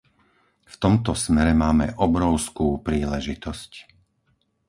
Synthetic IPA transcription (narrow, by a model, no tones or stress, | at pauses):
ft̪ɔmt̪ɔsmɛɾɛmaːmɛ̰ʔɔbɾɔʊskuːpɾiːlɛʒit̪ɔsc